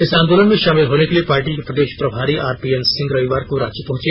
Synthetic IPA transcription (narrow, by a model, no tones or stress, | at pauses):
ɪsãːnd̪oːlənmẽʃaːmɪlɦoːnekeliepaːɾʈikepɾɐd̪eːʃpɾɐbʱaːɾiʔaːɾpiːɛnsɪ̃ŋɡɾɐʋiʋaːɾkoɾaːd͡ʒepɐɦʊ̃t͡ʃeː